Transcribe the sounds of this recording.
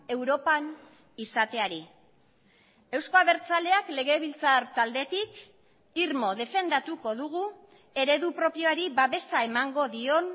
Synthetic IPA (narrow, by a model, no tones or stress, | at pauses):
e̞wɾo̞pan | isat̪e̞aɾi | ewsko̞aβe̞ɾt͡sale̞akle̞ɣ̞e̞βilt͡saɾt̪ald̪e̞t̪ik | iɾmo̞ðe̞fe̞nd̪at̪uko̞ðuɣ̞u | e̞ɾe̞ðupɾo̞pjo̞aɾiβaβe̞sae̞maŋɡo̞ðio̞n